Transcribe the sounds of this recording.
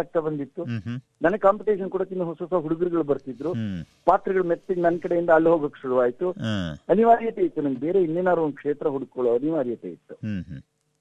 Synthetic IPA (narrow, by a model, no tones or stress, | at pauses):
ak̚t̪ɐbɐnd̪it̪ːu | nɐnɐɡkaːmpiʈeːʂɐnkɔɽok̪ːind̪uɦɔsoːsaːɦuɽuɡuɾiɡɐɭubɐɾt̪id̪ɾupaːt̪ɾiɡɐɭumet̪ːiɡnɐnːkɐɽejind̪ɐːlːɦoːɡokːeʃuɽuʋaːjit̪uɐniʋaːɾijɐt̪eːjit̪ːunɐŋɡbe̞ːɾe̞inːeːnaːɾuʋond̪̚kʂeːt̪ɾɐɦuɽɡkːoɭoːɐniʋaːɾijɐt̪ḛːjḭt̪ːu